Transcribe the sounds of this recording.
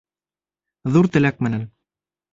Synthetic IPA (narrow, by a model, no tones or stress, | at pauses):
ðuɾt̪ɘ̆læk̚mɘ̆næn